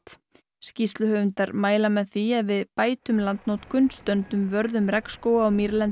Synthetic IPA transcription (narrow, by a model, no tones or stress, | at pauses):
t̪ | scist̪lʏhœːvʏnt̪aɾmaːjlamɛðθiɛðvɪðpaːjt̪ʏmlant̪nowt̪kʰʏnt̪st̪œnt̪ʏmvœɾðʏmɾɛkskoːwaːwmiɾlɛn